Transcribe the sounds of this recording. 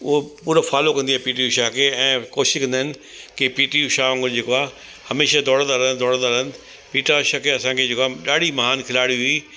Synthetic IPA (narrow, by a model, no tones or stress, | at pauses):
ʊopuːɾofaːlokɐ̃nd̪iaːpiːʈ̬ijuʃaːkʰeɛ̃ːkoːʃɪ̥ʃkɐ̃nd̪əɦɪnɪ̆ | kipiːʈijuʃaːɐ̃ŋɡəɾd͡ʑeːkoaː | hɐmeːʃad̪ɔːɽə̃nd̪aːɾənd̪ɔːɽə̃nd̪aɾən | piːʈaʃakʰeɐsãkʰed͡ʑeːkoaɗaːɽ̤ʱimɐɦaːnkʰɪlaːɽiɦʊiː